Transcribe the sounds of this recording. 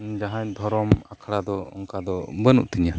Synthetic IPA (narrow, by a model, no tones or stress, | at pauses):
d͡ʒaɦãɲd̪ʱɔɾɔmakʰɽad̪ɔɔŋkad̪ɔbənṵʔt̪iɲa